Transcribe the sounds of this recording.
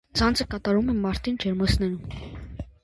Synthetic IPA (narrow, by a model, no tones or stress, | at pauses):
t͡sʰɑnt͡sʰəkɑt̪ɑɾumɛmɑɾt̪ind͡ʒɛɾməsnɛɾum